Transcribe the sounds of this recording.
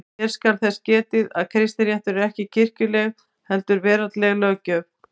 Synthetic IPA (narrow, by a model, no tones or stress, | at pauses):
ɛɾ̥skaɾθɛscɛːt̪ɪða̰ðkʰɾɪst̪nɪɾjaht̪ʏɾɪɾɛhcɪcʰɪr̥cʏlɛɣ | hɛlt̪ʏɾvɛːɾat̪lɛɣlɛːɣcœːp̚